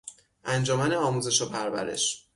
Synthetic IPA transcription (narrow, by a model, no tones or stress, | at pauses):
ʔænd͡ʒɒːmæneɒːmuze̞ʃopʰæɾvæ̰ɾe̞̰ʃ